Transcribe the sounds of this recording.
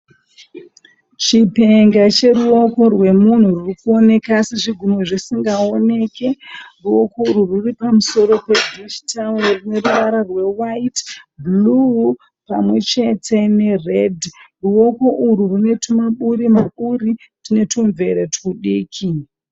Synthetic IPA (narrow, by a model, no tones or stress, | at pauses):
t͡ʃipe̞ŋɡat͡ʃe̞ɾuo̞ko̞rwe̞mun̤uririkuo̞ne̞kaseʐiɡʱumoʐisiŋɡao̞ne̞ːke̞ruo̞ko̞uɾururipamuso̞ɾo̞pedʱiʃtʰalorine̞ruʋaɾarwe̞waitblu | pamwe̞t͡ʃe̞tʰe̞ne̞redruo̞ko̞ʔuɾurune̞tʰumaɓuɾimaɓuɾi | rine̞tʰuɱve̞ɾetuɗiːkʰi